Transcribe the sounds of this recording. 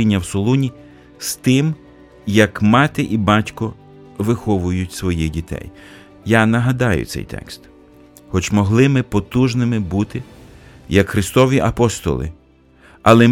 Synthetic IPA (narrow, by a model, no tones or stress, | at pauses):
inʲːɐwsɔlˠunʲi | st̪ɪm | jɐkmɑt̪ɪʔibɑtʲkɔ | ʋɪxɔʋʊjʊtʲsʋɔjidʲit̪ɛ̰j | jɑnɐɦɐd̪ɑjʊ̰t̪sɛ̰jt̪ɛ̰kst̪ | xɔt͡ʃmɔɦlˠɪmɪpɔt̪uʒnɪmɪbut̪ɪjɐkxɾɪst̪ɔʋʲiʔɐpɔst̪ɔ̰lˠɪ̰ | ɐlˠɛ